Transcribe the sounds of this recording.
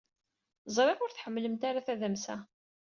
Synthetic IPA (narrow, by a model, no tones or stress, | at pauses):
zˤɾˤeʁʊɾθħəmːləmt̪aɾaθæðæmsæ